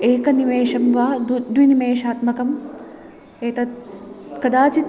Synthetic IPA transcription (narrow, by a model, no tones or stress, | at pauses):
eːkɐnimeːʃɐmʋaːd̪d̪ʋinimeːʃaːt̪mɐkɐm | eːt̪ɐt̪kɐd̪aːt͡ʃit̪